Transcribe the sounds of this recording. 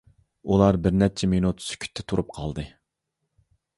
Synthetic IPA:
ulˠɑɾbɪɾnɛt͡ʃʰɛmenut̪sy̥kʲʰy̥t̪ʰːɛ̥t̪ʰuɾup̚qʰɑlˠd̪ɨ

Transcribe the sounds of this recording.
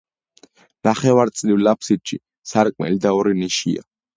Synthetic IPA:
naχɛvaɾt̪sʼlivlapʰsit̪ʃi | saɾkʼmɛ̰lid̪aɔɾiniʃḭa̰

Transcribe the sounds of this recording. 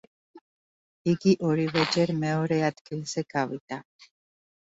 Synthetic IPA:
iɡiʔɔɾivɛd͡ʒɛɾmɛɔɾɛad̪ɡilz̥ɛɡavid̪̥a

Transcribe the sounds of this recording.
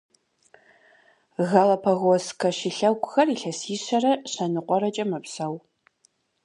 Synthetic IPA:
ɣɐlɐpʰɐɣoskʰɐɕiɬɐwɡʷʼʊxɐriːɬɐsiːɕɐrɐɕɐnɨqʷɔɾɐt͡ʃʼɐmɐpsɐw

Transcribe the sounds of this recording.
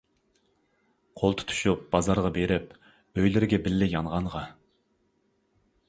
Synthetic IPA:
qʰolˠt̪ʰu̥t̪ʰu̥ʃup̚b̥ɑzɑɾʁɑbeɾɪp | øjlɪɾɡʲɛbɪlːɪjɑnʁɑnʁɑ

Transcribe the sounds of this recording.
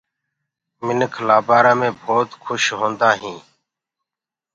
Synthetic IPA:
mɪnəkʰlaːbaːɾãːmẽːbʱoːt̪kʰʊʃɦõːnd̪aːɦĩː

